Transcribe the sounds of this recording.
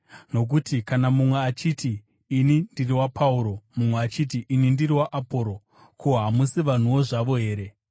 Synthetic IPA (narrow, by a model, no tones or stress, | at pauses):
no̞k̬utikanamumwe̞at͡ʃitiː | nindiriwapʰauɾo̞mumweat͡ʃit̬iʔːnindiriwaʔapo̞ːɾo̞ | koɦamusiʋan̤uwo̞ʐaʋo̞ɦe̞ːɾe̞